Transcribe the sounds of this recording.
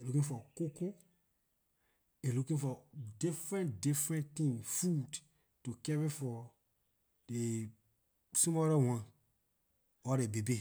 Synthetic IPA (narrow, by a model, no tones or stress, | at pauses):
elukĩŋfɔkoko | elukĩŋfɔdifɹɛ̃ndifɾɛ̃nt̪ĩŋfud | tukɛvifɔ | de | sũmɔɾawãn | ɔɾebebe